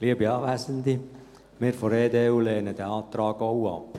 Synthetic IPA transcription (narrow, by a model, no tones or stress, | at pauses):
liəbiɑːʋæːsənd̪i | mɪːɾfɔɾeːd̪euːleːnəd̥̪ɛɑːt̪ɾɑːɡoʊɑ̰p